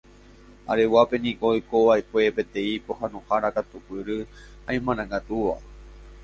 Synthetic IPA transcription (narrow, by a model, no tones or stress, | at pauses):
a̰ɾe̞wape̞nĩkojkoʋaekʷe̞pẽ̞t̪ẽ̞ipohãnõhaɾakat̪upɨɾɨ | ãj̃mãnãŋɡat̪uʋa̰